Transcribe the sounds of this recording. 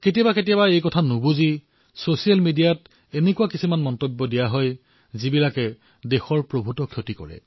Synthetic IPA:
ketijabaketijabaejkɔtʰanubuzi | sosijalmidijat | enekuakisumanmɔntɔbːɔdijaɦɔj | zibilakɛ | dexɔɹpɹobʱutɔkʰjotikɔ̰ɹɛ̰

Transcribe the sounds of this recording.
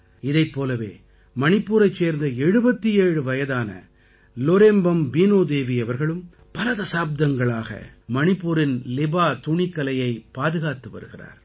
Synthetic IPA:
ɪðɐɪpːoːlɐʋḛː | mɐnɪpːuːɾɐɪt͡ʃseːɾnd̪ɐɛɻɯbɐt̪ːieːɻɯʋɐjɐðaːnɐ̰ | lɔɾeːmbɐmbiːnoːd̪eːʋiɐʋɐɾɣɐɭɯm | pɐlɐt̪ɐsaːb̚d̪ɐŋɡɐɭaːɣɐ̰mɐnɪpːuːɾɪnlɪbaːt̪ʊɳɪkːɐlɐjɐɪpːaːðɯɣaːt̪ɯʋɐ̰ɾɯɣɪra̰ːɾ

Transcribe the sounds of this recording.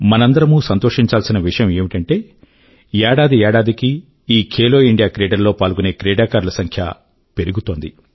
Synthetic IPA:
mɐnɐnd̪ɐɾɐmuːsɐnt̪o̞ːʂiɲt͡ʃaːlsinɐʋiʂɐjɐme̞ːmiʈɐɳʈe̞ː | ɛːɽaːd̪iɛːɽaːd̪iki | iːkʰeːlo̞ːiɳɖijaːkɾeːɖɐɾloːpaːlɡuneːkɾeːɖaːkaːɾulɐsɐŋkʰja̰ | pe̞ɾuɡut̪o̞ːnd̪ḭ

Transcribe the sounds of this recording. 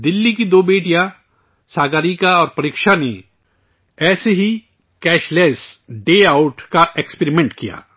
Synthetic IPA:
d̪ɪlːikid̪oːbeːʈijã | saːɡaːɾikaɔːɾpɐɾiːkʃane | ɛːseɦi | kɛːʃlɛːsɖeːaʊʈkaʔekspeɾimẽɳʈkija̰ː

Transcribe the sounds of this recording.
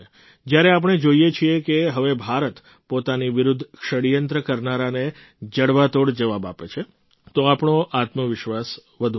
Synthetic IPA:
d͡ʒjaɾeap̬əɳ̃ed͡ʒoijet͡ʃʰiekeɦəʋebʱaɾət̪ | pot̪aniʋɪɾud̪ʱːkʃəɽijənt̪ɾəkəɾnaɾane | d͡ʒəɽʋat̪oɽd͡ʒəʋaba̰pet͡ʃʰe | t̪oapɳoʔat̪məʋɪʃʋas | ʋəd̪ʱu

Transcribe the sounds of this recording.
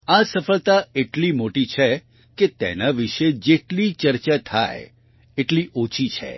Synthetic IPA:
asəfəɭt̪aeʈlimoʈit͡ʃʰe | ket̪ḛnaʋiʃed͡ʒeʈlit͡ʃəɾt͡ʃat̪ʰa̰j | eʈliʔot͡ʃʰit͡ʃʰḛ

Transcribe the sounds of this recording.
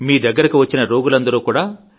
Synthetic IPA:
miːd̪ɐɡːɐɾɐkiʋɐt͡ʃːinɐɾo̞ːɡulɐnd̪ɐɾuːkuːɽaː

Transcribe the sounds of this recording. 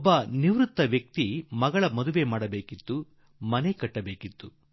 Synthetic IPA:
ɔbːɐniʋɾut̪ːɐʋjɐk̚t̪imɐɡɐɭɐmɔd̪uʋemaːɽɐbeːkit̪ːu | mɐnekɐʈːɐbeːkit̪ːu

